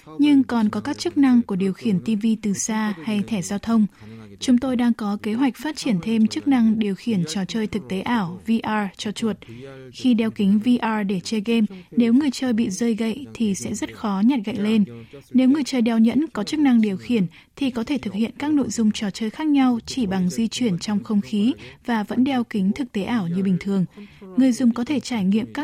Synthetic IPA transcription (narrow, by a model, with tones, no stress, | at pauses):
ɲɨ˧ŋkɔ˨˩nkɔ˨˦kaː˦˥k̚t͡ɕɨ˦˥k̚na˧ŋku˧˩əɗi˨˩əwxi˧˩ənt̪i˧vi˧t̪ɨ˨˩saː˧ha˧jt̪ʰɛ˧˩zaː˧wt̪ʰə˧wŋ͡mt͡ɕʊ˨˦ŋ͡mt̪o˧jɗaː˧ŋkɔ˨˦ke˨˦ɦwa˨˩k̚faː˦˥t̚t͡ɕi˧˩ənt̪ʰe˧mt͡ɕɨ˦˥k̚na˧ŋɗi˨˩əwxi˧˩ənt͡ɕɔ˨˩t͡ɕəː˧jt̪ʰɨ˨˩k̚t̪e˨˦ʔaː˧˩wvi˧ʔaː˧t͡ɕɔ˧t͡ɕu˨˩ət̚xi˧ɗɛ˧wkï˨˦ŋ̟vi˧ʔaː˧ɗe˧˩t͡ɕəː˧jɣe˧mne˨˦wŋɨ˨˩əjt͡ɕəː˧jɓḭ˧˨zəː˧jɣə̰˧˨jt̪ʰi˨˩sɛ̰˧˥zə˦˥t̚xɔ˨˦ɲa˨˩t̚ɣa̰˧˨jle˧nne˨˦wŋɨ˨˩əjt͡ɕəː˧˩jɗɛ˧wɲə̰˧˥nkɔ˨˦t͡ɕɨ˦˥k̚na˧ŋɗi˨˩əwxi˧˩ən | t̪ʰi˨˩kɔ˨˦t̪ʰe˧˩t̪ʰɨ˨˩k̚hḭ˧˨ənkaː˦˥k̚no̰˧˨jzʊ˧ŋ͡mt͡ɕɔ˧˩t͡ɕəː˧jxaː˦˥k̚ɲa˧wt͡ɕi˧˩ɓa˨˩ŋzi˧t͡ɕwi˧˩ənt͡ɕɔ˧wŋ͡mxə˧wŋ͡mxi˨˦vaː˨˩və̰˧˥nɗɛ˧wkï˨˦ŋ̟t̪ʰɨ˨˩k̚t̪e˨˦ʔaː˧˩wɲɨ˧ɓï˨˩ŋ̟t̪ʰɨ˨˩əŋŋɨ˨˩əjzʊ˨˩ŋ͡mkɔ˨˦t̪ʰe˧˩t͡ɕaː˧˩jŋḭ˧˨əmkaː˦˥